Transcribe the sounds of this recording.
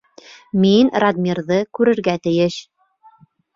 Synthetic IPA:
minrad̪mʲirðɤkʉɾɘ̆ɾɡæt̪ɘ̆jɘʃ

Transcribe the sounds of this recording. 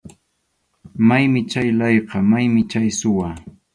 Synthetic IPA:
majmɪt͡ʃajlɑjqɑmajmɪt͡ʃajsʊwaː

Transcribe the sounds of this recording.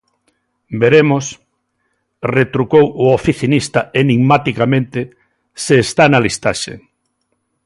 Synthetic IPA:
beɾemos | ret̪ɾukowʊofiθinist̪aeniɡmat̪ikamẽnt̪ɪ | seːst̪analist̪aʃḛ

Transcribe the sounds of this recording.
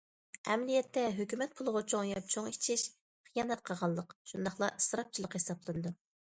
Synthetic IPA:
ɛ̰mlijɛt̪ːɛɦøkʲymɛt̪̚pʰulˠʁɑt͡ʃʰoŋjɑp̚t͡ʃʰoŋit͡ʃʰiʃ | χijɑːnɛt̪̚qʰɑʁɑlˠːəqʃund̪ɑχlˠɑ̰ʔɨsɾɑp̚t͡ʃʰilˠəqhesɑblˠɨnɨd̪u

